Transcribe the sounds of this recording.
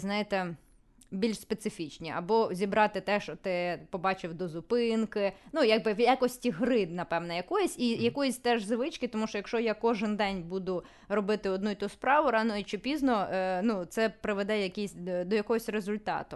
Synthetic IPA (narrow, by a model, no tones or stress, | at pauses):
znɑjɪt̪ɛ | bʲilʲʃspet̪sɪfʲit͡ʃnʲiʔɐ̰bɔzʲibɾɑt̪ɪt̪ɛʃɔt̪ɪpɔbɑt͡ʃɪwd̪ɔzʊpɪnkɪnujaɡ̚bɪʋjakɔsʲtʲiɦɾɪd̪nɐpɛwnɛjɐkɔjɛsʲijɐkɔjɛsʲt̪ɛʒzɪʋɪt͡ʃkɪt̪ɔmuʃɔjɐkʃɔjakɔʒɪnd̪ɛnʲbud̪ʊ | rɔbɪt̪ɪɔd̪nuit̪uspɾɑʋʊɾɑnɔjɪt͡ʃɪpʲiznɔnut̪sɛpɾɪʋed̪ɛjɐkʲisʲd̪ɔjɐkɔɦɔsʲrezʊlʲt̪ɑ̰t̪ʊ